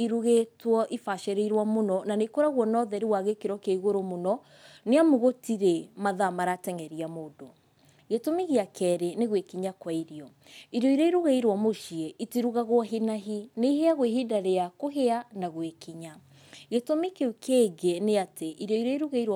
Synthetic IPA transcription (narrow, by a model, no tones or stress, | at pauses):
iɾuɣetwɔʔifaʃɛɾeiɾwamonɔnanekoɾaɣwɔnɔðɛɾiwaɣekeɾɔkeaiɣoɾomonɔ | neamoɣotiɾemaðamaɾatɛŋɛɾiamodo | ɣetomiɣeakʰɛɾeneɣwekiɲakwaiɾjɔ | iɾjɔiɾɔiɾuɣaiɾwɔmoʃieʔitiɾuɣaɣwɔɦinaɦineiɦeaɣweɦidaɾeakoɦeanaɣwekiɲa | ɣetomikeukʰeɡeneateʔiɾɔiɾɔiɾuɣeiɾ